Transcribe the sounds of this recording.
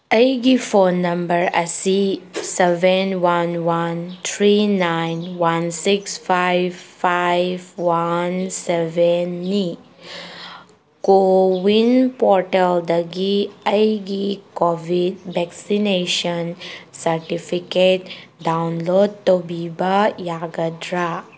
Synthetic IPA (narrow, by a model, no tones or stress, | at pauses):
əjɡipʰonːɐmbəɾɐ̰sisebenwanwant̪ʰɾinajnwansikspʰajbpʰajbwansebenːi | kowinpɔɾʈeld̪ɐɡiɐjɡikɔbʱid̚bɛksineʃənsɐɾʈipʰikeʈ̚dawnlod̚t̪obibajaɡɐdɾa